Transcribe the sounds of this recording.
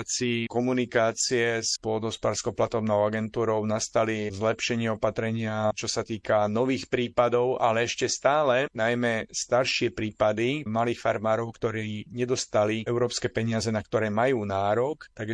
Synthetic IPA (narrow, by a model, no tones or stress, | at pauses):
t͡sikɔmunikaːt͡siɛspʊɔd̪ɔspaɾskɔʊplat̪ɔbnɔʊaɡɛnt̪uːɾɔʊnast̪alizlɛpʃɛɲɪɛɔpat̪ɾɛɲɪat͡ʃɔsat̪iːkanɔʋiːxpɾiːpad̪ɔʊalɛɛʃcɛst̪aːlɛnajmɛst̪aɾʃɪɛpɾiːpad̪imaliːxfaɾmaːɾɔʊkt̪ɔɾiɲɛd̪ɔst̪aliɛʊɾɔːpskɛːpɛɲɪazɛnakt̪ɔɾɛːmajuːnaːɾɔkt̪aɡ